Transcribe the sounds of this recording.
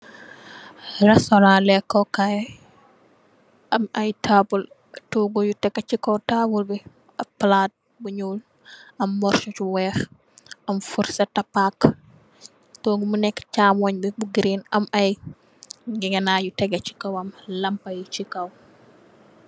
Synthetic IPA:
ɾɛsɔɾãlɛkːɔkaj | ʔɐmʔɐjtabul | tuɡojutɛkːat͡ʃikɔwtaːbulbi | ɐpːlat̚ | buɲul | ʔɐmːɔɾʃɔt͡ʃwɛːf | ʔɐmfuɾsɐtapak | tɔːɡumunɛkːt͡ʃaːmɔɲbibuɡiɾinɐmɐj | ɡɛɡɛnajutɛɡɐt͡ʃi̥kɐwɐmlɐmpɐjit͡ʃikɐw

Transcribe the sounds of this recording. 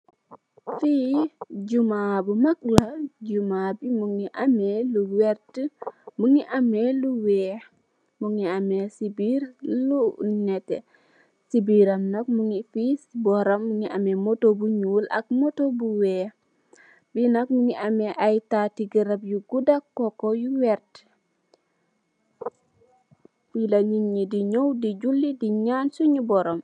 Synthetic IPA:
fiɟumabumɐk̚lɐɟumabimuŋiʔamɛluwɛɾtəmuŋiʔameluwɛː | muŋiamesibiɾlunɛtɛ̰ | sibiɾɐmnɐk̚muŋifisbɔɾɐmːuŋiʔamɛmotobuɲulʔɐ̰k̚motobuwɛ | binɐkmuŋiʔamɛʔajtatiɡəɾɐpjuɡudakːokojuwɛɾt | bilaɲiŋɲidiɲowdiɟulːidiɲansuɲibɔɾom

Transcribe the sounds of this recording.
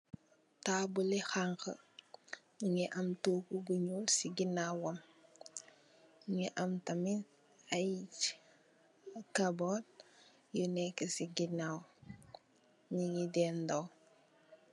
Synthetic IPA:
tabulixaŋkə̰ | iɲiʔamtokuɡuɲulsiɡinawom | ɲiʔamtamin | ajc | kabot | jənekesiɡinaw | ɲiŋidendaw

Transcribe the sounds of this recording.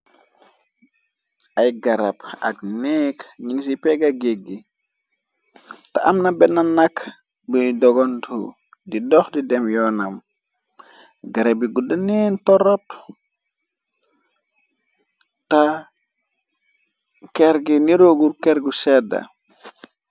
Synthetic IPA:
ajɡaɾapa̰knɛkɲiŋs̬ipɛɡaɡeɡːi | taamnabɛnanak | bidɔɡɔntʰṵ | didɔxdidɛmjɔːnam | ɡaɾebiɡudanintɔɾop | ta | kɛɾɡiniɾoɡuɾkɛɾɡusɛda̰

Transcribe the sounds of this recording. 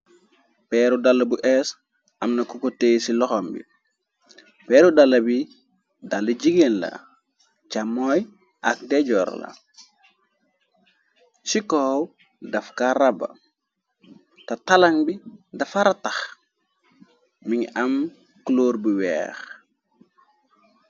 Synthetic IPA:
pɛːɾudalːɐbuʔɛs | ɐmnɐkukoteːjsilɔxɔmbḭ | pɛɾudalːɐbi | dalːiɟiɡenla̰ | t͡ʃamɔj | ʔak̚dɛɟɔːɾ̰la̰ | sikow | dafkaɾabɐ̰ | tatalaŋbidɐfaɾatax | miŋɐm | kuloːɾbuwɛ̰ːx

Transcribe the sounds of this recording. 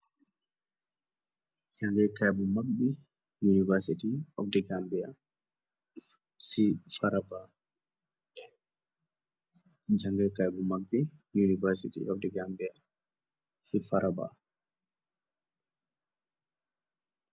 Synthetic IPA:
d͡ʒaŋɡɛkajbumak̚bɛ | junivɛɾsitiɔfdɛɡambɛa | sifaɾaba | d͡ʒaŋɡɛkajbumaɡ̚bijunivɛɾsḭtḭɔfdɛɡambɛa | sifaɾaba̰

